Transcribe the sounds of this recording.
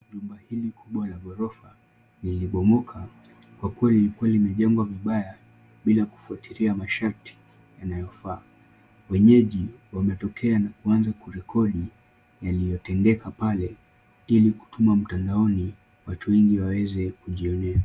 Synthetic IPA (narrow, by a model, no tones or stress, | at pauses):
ʄumbahilikʰuɓwalaɡɔɾɔfa | niliɓɔmɔkʰa | kwakuwalilikualimɛʄɛŋɡwaviɓaja | ɓilaku̥fuatiɾiamaʃaɾtʰi̥ | janajɔfaː | wɛɲɛʄiwamɛtɔkʰɛanakuanzakuɾɛkʰɔɗi | jalijɔtɛndɛkapalɛ | iliku̥tumam̩tandaɔni | watuwɛŋɡiwawɛzɛkuʄiɔnɛa